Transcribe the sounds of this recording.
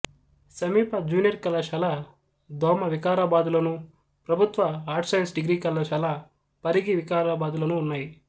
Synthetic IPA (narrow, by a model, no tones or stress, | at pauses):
sɐmiːpɐd͡ʒuːnijɐɾkɐlɐʃɐla | d̪ɔːmɐʋikaːɾaːbaːd̪ulɐnu | pɾɐbʱut̪ʋɐɦaːɾʈsɐjnsɖiɡɾiːkɐlɐʃɐla | pɐɾiɡiʋikaːɾaːbaːd̪ulɐnuːnːaːji